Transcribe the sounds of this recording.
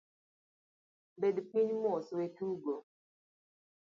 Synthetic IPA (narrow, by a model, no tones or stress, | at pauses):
bedpiɲmɔswetuɡo